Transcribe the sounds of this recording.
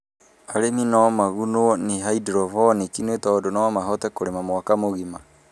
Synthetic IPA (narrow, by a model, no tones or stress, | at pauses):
aɾeminɔmaɣunoneɦaidɾɔfɔnikinwetɔdonɔmaɦɔtɛkoɾemamwakamoɣima